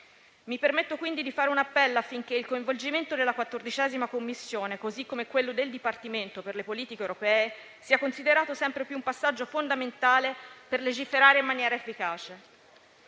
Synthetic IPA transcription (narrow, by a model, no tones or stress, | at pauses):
mipermet̪ːokwind̪id̪ifaːɾeunapːɛlːoafːiŋk̟eilkoiɱvold͡ʒiment̪od̪elːakwat̪ːord̪it͡ʃɛːzimakomːisːjoːnekozikːomekwelːod̪eld̪ipart̪iment̪operlepoliːt̪ikewɾopɛːe | siːakonsid̪eɾaːt̪osɛmpɾepjuumpasːad͡ʒːofond̪ament̪aːleperled͡ʒifeɾaːɾeimːanjɛːɾaefːikaːt͡ʃe